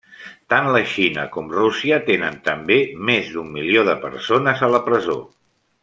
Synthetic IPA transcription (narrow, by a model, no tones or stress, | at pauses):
t̪anləʃinə̰kɔmrusiət̪enənt̪əmbemezðumːilioðəpə̰ɾsonəzələpɾəzo̰